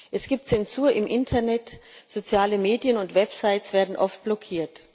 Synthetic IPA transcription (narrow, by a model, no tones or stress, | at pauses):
ʔɛsɡ̥iːp̚tt͡sɛnzuːɐʔɪmʔɪntʰɐnɛtz̥ot͡sjaːləmeːdjənʊntv̥ɛpz̥aɪsv̥eːɐdn̩ʔɔft̚b̥lɔkʰiːɐt